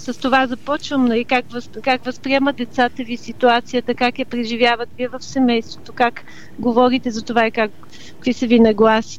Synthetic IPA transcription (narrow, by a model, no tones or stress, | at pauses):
səst̪ovazɐpɔt͡ʃvəmnɐlikakvəskakvɐspɾiɛməd̪ɛt̪sat̪əvisit̪uat̪sijət̪əkakɛpɾɛʒivjavət̪viɛvɐfsɛmɛjst̪vot̪okak | ɡovɔɾit̪ɛzɐt̪ovaikak | kvisɐvinɛɡlˠasi̥